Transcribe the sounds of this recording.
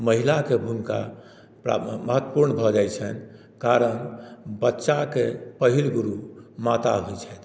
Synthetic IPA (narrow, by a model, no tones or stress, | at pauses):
məɦilakebʱunka̰ | ɾməɦət̪wəpuɾnbʱɔd͡ʒajt͡ʃʰɛn | kaɾənbətːʃakepəɦilɡuɾumat̪a̰ɦujt͡ʃʰɛjt̪